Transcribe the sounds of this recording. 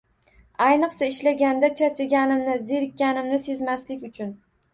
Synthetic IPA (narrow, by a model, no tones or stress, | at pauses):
ajnɨqsaɪʃlaɡʲand̪at͡ʃʰaɾt͡ʃʰaɡʲanɪmnɪzeɾkʲːanɪmnɪse̞zmaslɪkʲʊt͡ʃʰʊn